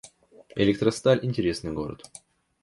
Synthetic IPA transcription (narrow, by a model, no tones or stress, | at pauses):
ɪ̰lʲɪk̚t̪ɾəst̪alʲʔɪnʲtʲɪɾʲe̞snɨjɡoɾə̰t̪